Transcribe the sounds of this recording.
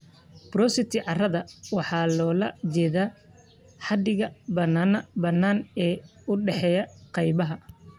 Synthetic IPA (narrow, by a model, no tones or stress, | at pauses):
b̥rɔsɪt̪ʰɪʕɑrɐðɐwɑħɑːlɔːlɐt͡ʃɛːðaː | ħɑd̪ɪɣɐbɐnaːnɐbɐnːaːnɛːʊɖɛħɛːjɐqɑjbɐɦɐ